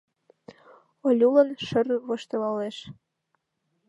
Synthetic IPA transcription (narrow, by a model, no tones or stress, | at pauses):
olʲulə̆nʃə̆rβoʃt̪ɤ̆lɑleʃ